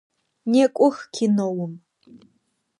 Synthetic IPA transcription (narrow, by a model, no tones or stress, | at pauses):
nekʷʼʊxkʰinowʊm